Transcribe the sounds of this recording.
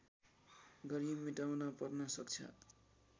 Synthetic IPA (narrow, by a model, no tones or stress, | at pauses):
ɡʌɾibmiʈawnʌpʌrnʌsʌkt͡sʰʌ̰